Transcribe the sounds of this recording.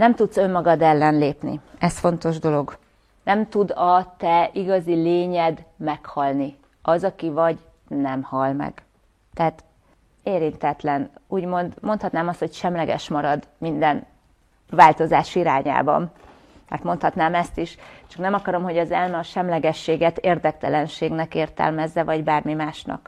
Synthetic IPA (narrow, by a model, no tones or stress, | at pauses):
nɛmt̪ut̪sø̞mːɒɡɒd̪ɛlːɛnleːpnḭɛsfo̞nt̪o̞ʒd̪o̞lo̞ɡ | nɛmt̪ud̪ɒt̪ɛiɡɒzileːɲɛd̪mɛkhɒlni | ɒzɒkivɒɟ | nɛmhɒlmɛ̰ɡ̥ | t̪ɛɦaːt̪ | eːɾint̪ɛt̪lɛnuːɟmo̞nd̪mo̞nt̪hɒt̪naːmɒst̪ho̞cʃɛmlɛɡɛ̰ʃmɒɾɒd̪mind̪ɛn | vaːlt̪o̞za̰ːʃiɾa̰ːɲa̰ːbɒ̰m | mɛ̰rt̪mo̞nt̪hɒt̪naːmɛst̪iʃt͡ʃɒ̥knɛmɒkɒɾo̞mho̞ɟɒzɛlmɛɒʃɛmlɛɡɛʃːeːɡɛt̪eːrd̪ɛkt̪ɛlɛnʃeːɡnɛkeːrt̪ɛ̰lmɛzːɛvɒɟbaːrmimaːʃnɒ̰k